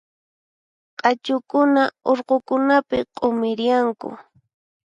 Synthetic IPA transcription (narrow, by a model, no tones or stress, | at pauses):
qʼɑt͡ʃʊkʊnaoɾqokʊnapɪqʼomɪɾjaŋkʊ̰